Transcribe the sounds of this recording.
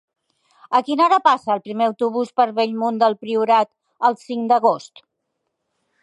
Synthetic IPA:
əkinaɾəpasəːlˠpɾimeəwt̪uβuspəɾβeʎmund̪əlˠpɾiuɾat̪ | əlˠsiŋd̪əɣ̞ost̪

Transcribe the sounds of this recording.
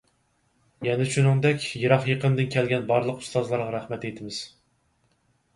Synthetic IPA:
jɛnɪʃunɨŋd̪ɛkʲjeɾɑχjəqʰəmd̪ɪnkʲʰɛlɡʲɛnbɑɾlˠəqu̥st̪ɑzlˠɑɾʁɑɾæχmɛt̪et̪ʰɪmɪz̥

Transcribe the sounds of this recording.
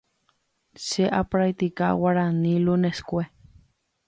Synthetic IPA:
seʔapɾajt̪ika̰waɾaniluneskʷe

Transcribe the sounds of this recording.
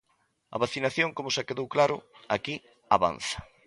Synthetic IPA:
ɐ̰βaθinaθjoŋkomʊsakeðowklaɾʊaki | a̰βa̰nθɐ̥

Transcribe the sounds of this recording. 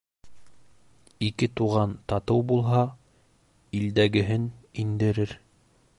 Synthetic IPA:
ikɘt̪uʁɑnt̪ɑt̪ɤwbulˠɦɑ | ild̪æɡɘ̆ɦɘnind̪ɘ̆ɾɘɾ

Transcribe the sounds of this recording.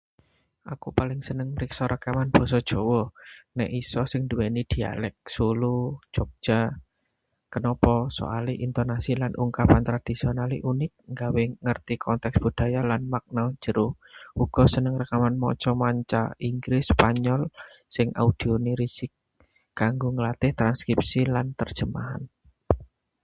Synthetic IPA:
ʔakupalɪŋsənəŋmɾiksɔɾʔəkamanb̥ɔ̤sɔd̥ʒ̥ɔ̤wɔnɛ̰ʔisɔsɪŋnduwenid̪̥i̤a̰lɛk̚sulu̥d͡ʒ̥ok̚ʒ̥a | kənɔpɔso̰aliʔint̪ɔnasilanʔṵŋkapant̪ɾad̪̥i̤sionalḭʔunɪk̚ŋɡaweŋərt̪ikʰɔnt̪ɛksb̥ṳd̪̥a̤jalanmak̚nḁd͡ʒ̥əɾʊh | ʔuɡ̥ɔ̤sənəŋrəkamanmɔ̰t͡ʃɔmaɲt͡ʃa̰iŋɡɾɪspaɲɔl | sɪŋʔa̰ud̪̥i̤oniɾisɪk̚ː | aŋɡoŋəlat̪ɪht̪ɾanskɾip̚silant̪ərd̥ʒ̥əma̰ɦa̰n

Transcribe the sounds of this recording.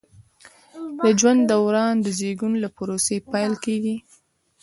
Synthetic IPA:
d̪əd͡ʒwand̪ːawɾɑnd̪əzeɡunlapʊɾosepajlkeɡi

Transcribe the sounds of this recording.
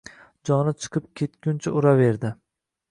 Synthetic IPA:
d͡ʒɒnɪt͡ʃʰɨ̥qʰɨp̚kʲʰe̞t̪kʲʊnt͡ʃʰaʔʊɾave̞ɾd̪ɪ

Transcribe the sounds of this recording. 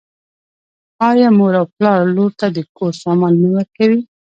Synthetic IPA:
ɑjɑmoɾawplɑɾloɾt̪ad̪əkoɾsɑmɑnːəwəɾkawi

